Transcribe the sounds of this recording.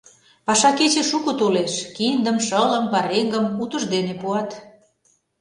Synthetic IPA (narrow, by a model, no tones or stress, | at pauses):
pɑʃɑket͡ɕeʃukot̪oleʃkind̪əmʃələmpɑɾeŋɡəmut̪ə̆ʒd̪enepuɑt̪